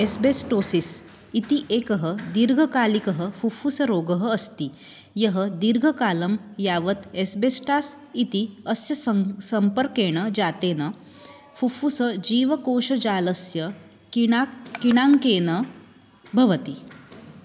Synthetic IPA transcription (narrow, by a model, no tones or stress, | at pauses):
esbesʈoːsis | it̪iʔeːkɐɦəd̪iɾɡʱɐkaːlikɐɦəfufusɐɾoːɡɐɦə̆ːst̪i | jɐɦəd̪iɾɡʱɐkaːlɐmjaːʋɐt̪esbesʈaːs | it̪iɐsjɐssɐmpəɾkeːɽ̃əd͡ʒaːt̪eːnɐ | fufusɐd͡ʒiːʋɐkoːʃɐd͡ʒaːlɐsjɐ | kiɽ̃aŋkeːnɐ | bʱɐʋɐt̪i